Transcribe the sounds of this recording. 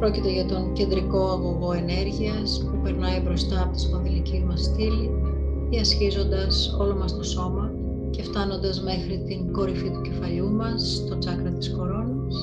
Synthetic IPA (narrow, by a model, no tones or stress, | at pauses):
pɾo̞cit̪e̞ʝɐt̪o̞ŋce̞nd̪ɾiko̞ɐɣoɣo̞e̞ne̞ɾʝiɐspupe̞ɾnɐibɾo̞st̪ɐːpot̪isp̪ɐnðilicizmɐst̪ili | iɐsçizo̞nd̪ɐso̞lo̞mɐst̪o̞so̞mɐ | ce̞ft̪ɐno̞nd̪ɐzme̞xɾit̪iŋɡo̞ɾifit̪uce̞fɐʎumɐs | t̪o̞t͡sɐkɾɐt̪i̥sko̞ɾo̞nɐs